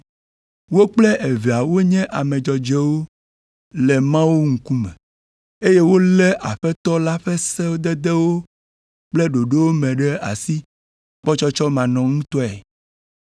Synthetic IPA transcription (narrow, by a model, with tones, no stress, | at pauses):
wo˦k͡plɛ˦ʔe˨ve˨a˨wo˦ɲɛ̃˦ʔa˨mɛ̃˨d͡ʒɔ˨d͡ʒɛ˦wo˦ | lɛ˨mã˦wo˦ŋ̩˨ku˦mɛ̃˨ | e˦je˦wo˦lɛ˦ʔa˨ɸɛ˦t̪ɔ˦la˦ɸɛ˦sɛ˦wo˦d̪ɛ˦d̪ɛ˦wo˦ | k͡plɛ˦ɖo˨ɖe˦wo˦mɛ̃˨ɖɛ˦a̰˨si˦ | k͡pɔ˦t͡ʃɔ˦t͡ʃɔ˦mã˨nɔ̃˨ŋũ˦t̪ɔ˦ɛ˨